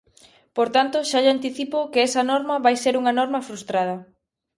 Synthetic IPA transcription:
poɾt̪ant̪oʃaʎant̪iθipokeesɐnɔɾmɐβajseɾuŋɐnɔɾmɐfɾust̪ɾað̞ɐ

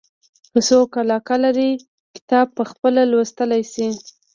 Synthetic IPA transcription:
kəsokalɑkalaɾi | kɪ̥t̪ɑb̚pəxpəlalwəst̪əlajsi

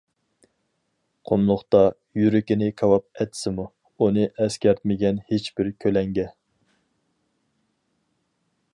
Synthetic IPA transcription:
qʰomlˠʊχt̪ɑ | jyɾɪkʲɪnɪkʰɑwɑp̚ɛt̪sɪmu | unɨʔɛskʲɛɾt̪mɪɡʲɛnhet͡ʃbɪɾkʲʰølɛŋɡʲɛ

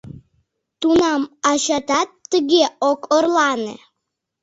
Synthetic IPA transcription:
t̪unɑmɑɕɑt̪ɑt̪ːəɣeokorlˠɑnḛ

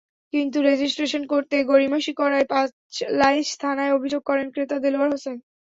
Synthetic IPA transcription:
kint̪uɾed͡ʑisʈɾeʃonkoɾt̪eɡoɾimaʃikɔɾaepã | t͡ɕlaist̪ʰanaeobʱid͡ʑoɡ̚kɔɾenkɾet̪ad̪eloaɾɦosen

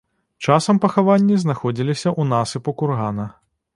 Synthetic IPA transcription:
t͡ʂasɐmpɐxavanʲːiznaxɔd͡zʲilʲisʲɐʔunasɨpukurɣanɐ

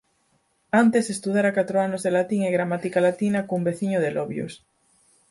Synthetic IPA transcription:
ant̪esest̪uðaɾakat̪ɾoanozðelat̪iŋeɣɾamat̪ikalat̪inakumbeθiɲoð̞eloβjo̰s

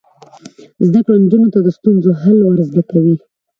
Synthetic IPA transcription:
zd̪akɽond͡ʒunot̪ad̪əst̪unzoɦalwaɾzd̪akawi

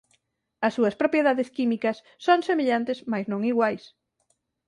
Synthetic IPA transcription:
ɐsːuɐspɾopjeðaðɪskimikɐsːoŋsemeʎant̪ɪsmajsnõŋiɣwajs

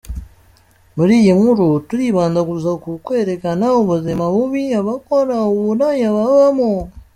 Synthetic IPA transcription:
muɾiːjiŋuɾutuɾiβaːndaɡuzakukwe̞ːɾekanaoβuzimaβuβiaβakoɾaoβunaɲaβaβamo

